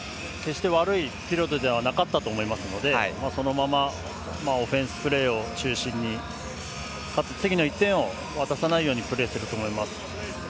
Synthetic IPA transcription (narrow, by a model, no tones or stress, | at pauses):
ke̞ɕi̥t̪e̞βaɾɯ̟ipʲiɾo̞t̪o̞d̪e̞β̞anakat̪ːat̪o̞ːmo̞imasɨno̞d̪e̞maːso̞no̞mama | mao̞ɸẽ̞ɰ̃sɨ̥pɯ̟ɾe̞ːo̞t͡ɕɨːɕĩɲ̟ːi | kat͡sɨt͡sɨɡʲino̞it̪ːẽ̞ɰ̃o̞ | βat̪asanaijo̞ːɲ̟ipɯ̟ɾe̞ːsɨɾɯ̟t̪o̞ːmo̞imasɨ̥